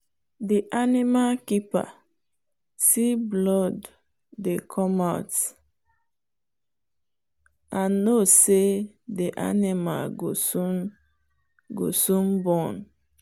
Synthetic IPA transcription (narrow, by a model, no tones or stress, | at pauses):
diʔanimakipa̰ | tiblɔdː | ekʰɔmat | anose | diʔa̰nima̰lɡosun | ɡo̰sũnbɔ̃n